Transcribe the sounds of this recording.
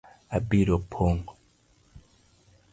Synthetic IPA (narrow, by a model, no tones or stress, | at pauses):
abiɾopʰoŋɡo